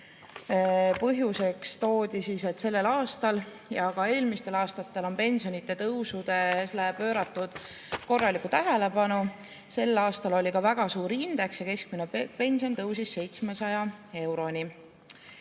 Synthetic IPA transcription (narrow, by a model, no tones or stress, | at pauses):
pɤɦjuse̞kst̪o̞ːd̪̥isise̞t̪se̞lːe̞lɑːst̪ɑl | jɑɡɑe̞ːlmist̪e̞lɑːst̪ɑt̪ːe̞lo̞npe̞nsionit̪ːˑe̞t̪ɤwsud̪̥e̞slepø̞ːɾɑt̪ːˑud̪̥ | ko̞rːɑlikːˑut̪æɦe̞le̞pɑnu | se̞lːɑːst̪ɑlo̞lʲikɑvæɡ̥ɑsuːɾiind̪̥e̞ksjɑke̞sk̚minepe̞nʲsio̞nt̪ɤwsisːe̞jt̪smesɑjɑe̞wɾo̞ni